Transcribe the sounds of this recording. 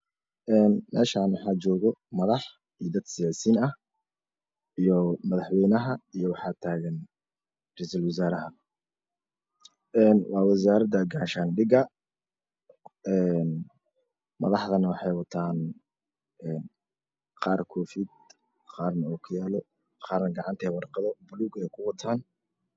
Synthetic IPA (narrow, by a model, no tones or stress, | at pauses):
ʔɛːnmɛ̰ːʃaːnwɑħɑːt͡ʃɔːɣɔmɐðɑħ | ijd̪ɐd̪sɪjaːsiːnɐh | ijɔmɐðɑħwɛjnɐɦɐijɔwɑħɑːt̪ʰaːɣɐn | rɛjsɐlwɪs̬aːɾɐɦɐ | ʔɛːnwʔɑːwɑs̬aːɾɐd̪ɐɡaːʃanɖɪɡɐ | ɛːn | mɐ̰ðɑħðɐnɐwɑħɑjwɑt̪ʰaːn | ɛːn | qɑːrkʰɔːfiːd̪̚ | qɑːrnɐuːkʰʊjaːlɔ | qɑːrnɐɡɑʕɑnt̪ʰɛːwɑrqɑðɔbʊluːɡɛːjkʰʊwɑt̪ʰaːn